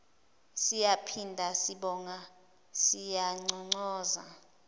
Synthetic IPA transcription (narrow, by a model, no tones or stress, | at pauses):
sijapʰindʱasiɓɔːŋa | sijaŋ͡ǀɔŋ͡ǀɔːza̰